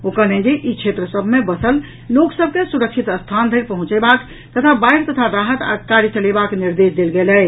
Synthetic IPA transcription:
okəɾnẽd͡ʒeʔikʰet̪ɾəsəbʱmebəsəl | loksəb̚ʱkesuɾək̚t͡ʃʰit̪əst̪ʰand̪ʱəɪɾpəɦũt͡ʃɛbak | t̪ət̪ʰabajɾt̪ət̪ʰaɾaɦət̪a̰kaɾjət͡ʃəlebakniɾd̪esd̪elɡelɛ

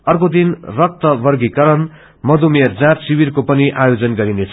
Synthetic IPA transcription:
ʌrkod̪inrʌk̚t̪ʌbʌrɡikʌɾʌn | mʌd̪umʌd͡zãt̪sibirkopʌniʔajod͡zʌnɡʌɾinet͡sʰ

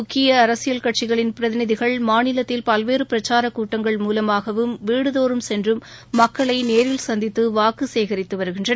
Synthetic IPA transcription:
ʊkːɪjɐːɾɐsɪjɐlkɐʈ̚t͡ʃɪɣɐɭɪnpɪɾɐðɪnɪðɪɣɐɭmaːnɪlɐt̪ːɪlpɐlʋeːɾɯpɪɾɐt͡ʃaːɾɐkuːʈːɐŋɡɐɭmuːlɐmaːɣɐʋɯmʋiːɽɯðoːɾɯmsɛndrɯmːɐkːɐɭɐɪneːɾɪlsɐnd̪ɪt̪ːɯʋaːkɯseːɣɐɾɪt̪ːɯʋɐɾɯɣɪndrɐn

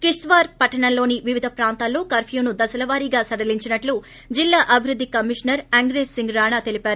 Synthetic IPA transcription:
kiʂʈʋaːɾpɐʈːɐɳɐnlːo̞ːniʋiʋid̪ʱɐpɾaːnt̪aːlːo̞ːkɐɾpʰjuːnud̪ɐsɐlɐʋaːɾiɡaːsɐɽɐliɲt͡ʃinɐʈlu | d͡ʒilːaːʔɐbʱiɾud̪ːikɐmiʂnɐɾɐŋɡɾeːssiŋɡɾaːɳaːt̪e̞lipaːɾu

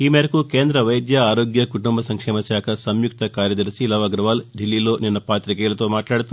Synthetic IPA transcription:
iːmeːɾɐkukeːnd̪ɾɐʋɐjd̪jɐaːɾo̞ːɡjɐkuʈumbɐsɐŋkʂeːmɐsjaːkʰɐsɐmjuk̚t̪ʰɐkaːɾjɐd̪ɐɾsilɐʋɐɡɾɐʋaːlɖilːiːlo̞ːninːɐpaːt̪ɾikeːlɐt̪o̞ːmaːʈlaːɽɐt̪u

